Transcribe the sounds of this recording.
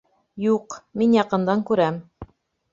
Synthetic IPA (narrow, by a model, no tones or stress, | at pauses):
juqminjɑqɤ̆nd̪ɑŋkʉɾæm